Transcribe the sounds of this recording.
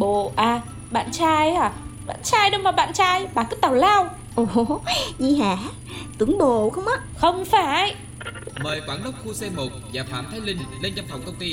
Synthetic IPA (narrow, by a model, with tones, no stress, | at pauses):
ɓo˧˨ʔaː˨˧˩ | ɓa̰ː˧˨nt͡ɕaː˧jaː˨˩ɓa̰ː˧˨nt͡ɕaː˧jɗə˧wmaː˨˩ɓa̰ː˧˨nt͡ɕaː˧jɓaː˨˩kɨ˦˧˥t̪aː˨˩wlaː˧w | ʔo˨˩zi˧˩haː˧˩˦ | t̪ɨ˨˦əŋɓo˧˨xə˧wŋ͡mʔə˨˧˦xə˧wŋ͡mfaː˧˩˦j | məː˨˩jkwaː˧˩˦ŋɗə˦˥wk͡p̚xu˧sɛ˧mo˨˩t̚vaː˨˩faː˧˩mt̪ʰaː˨˦jlï˧ŋ̟le˧nt͡ɕa˧mfə˨˩wŋ͡mkə˧wŋ͡mt̪i˧